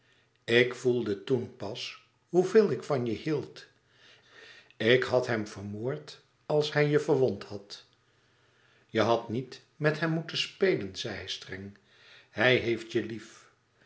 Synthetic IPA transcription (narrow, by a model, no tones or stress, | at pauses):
ɪkfulˠdətunpɑs | ɦuveːlˠɪkfɑnjəhilˠt | ɪkɦɑtɦɛmv̥əɹmoːɹt | ɑlˠshɛjjəvəɹʋɔnthɑt | jəɦɑtnit | mɛtɦɛmːutənspejlənz̥ɛjɦɛjstrɛŋ | hɛjɦejftjəlif